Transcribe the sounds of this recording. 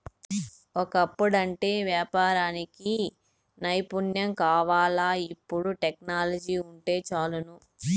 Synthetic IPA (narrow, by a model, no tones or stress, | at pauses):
ɔkɐpːuɽɐɳʈe̞ːʋjaːpaːɾaːniki | nɐjpunjɐmkaːʋaːlaːipːuɽuʈeknaːlɐd͡ʒiːuɳʈe̞ːt͡ʃaːlunu